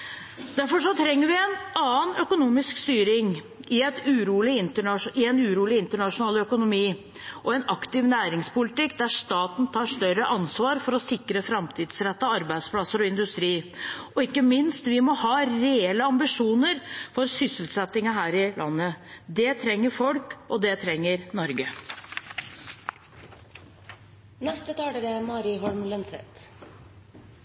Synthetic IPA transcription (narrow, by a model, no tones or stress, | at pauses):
d̪̥æɾfɔʂɔt̪ʰɾɛŋːəɾʋɪɛnɑːənœkʊnuːmɪskst̪yːɾɪŋ | ɪɛt̪ʉɾuːlɪɪnt̪əɳɑʂɪɛnʉːɾuːlɪɪnt̪əɳɑʂʊnɑːlœkʊnʊmiː | ʔɔɛnɑkt̪ɪʋnæːɾɪŋspʰʊlɪt̪ɪkːd̪æʂt̪ɑːt̪n̩t̪ʰɑːʂt̪œɾəʔɑnsʋɑːɾfɔɾɔsɪkɾəfɾɑmt̪ʰɪːd̪sɾɛt̪ːɑɑɾbæɪspʰlɑsːəɾɔɪnd̪ʉst̪ɾiːʔɔɪkːəmɪnst̪ʋɪmɔhɑːɾeɛləɑmbɪʂuːnəɾfɔɾsʏsəlt̪sɛt̪ːɪŋɑɦæːɾɪlʔɑ̰nːəd̪ɛt̪ʰɾɛŋːəɾfɔlkɔd̪ɛt̪ʰɾɛŋːəɾnɔɾɡə | nɛst̪ət̪ʰɑːləɾɛmɑːɾɪɦɔlmlənsɛ̰t̪